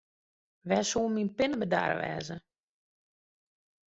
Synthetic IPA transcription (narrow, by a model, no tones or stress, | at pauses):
ʋɛːsuːminpɪnəbəda̰r̰ʋɛ̰ːzə